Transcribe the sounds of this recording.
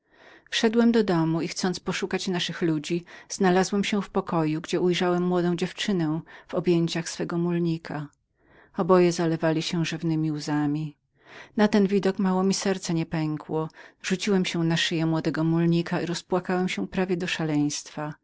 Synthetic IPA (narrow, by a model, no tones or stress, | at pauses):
fʂɛd̪wɛmd̪ɔd̪ɔmuixt̪sɔnt̪spɔʂukat͡ɕnaʂɘxlud͡ʑiz̥nalazwɛmɕɛfpɔkɔjuɡd͡ʑɛujʐawɛmːwɔd̪ɔ̃w̃d͡ʑɛft͡ʂɘnɛv̥ɔbʲjeɲt͡ɕaxsfɛɡɔmulɲikʰa | ɔbɔjɛzalɛvalʲiɕɛ̃ʐɘvnɘmʲiuzamʲi | nat̪ɛnvʲid̪ɔkmawɔmʲisɛɾt̪sɛɲɛpɛŋkwɔʐ̥ut͡ɕiwɛmɕɛnaʂɘjɛmwɔd̪ɛɡɔmulɲikʰaiɾɔspwakawɛmɕɛpɾavʲjɛd̪ɔʂalɛj̃st̪fa